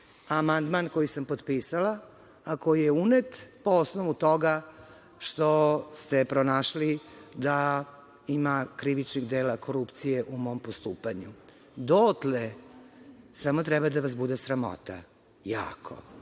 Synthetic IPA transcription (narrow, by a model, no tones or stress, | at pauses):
amand̪mankojisampod̪pisalaː | ko̞jijeunet̪poosnoʋut̪o̞ɡa | ʃt̪ost̪epɾonaʃlid̪a | imakɾiʋit͡ʃniɣd̪eːlakʰo̞ɾupt̪sijeʔumo̞mpost̪uːpaɲu | d̪ot̪le | samot̪ɾɛbad̪aʋasbud̪esɾamo̰t̪a̰ | ja̰ːkʰo̞̰